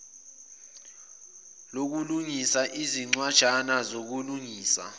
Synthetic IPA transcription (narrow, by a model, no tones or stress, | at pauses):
lok̬uluŋisaʔiziŋ͡ǀwad̥ʒ̥ʱanazok̬uluŋiːsa̰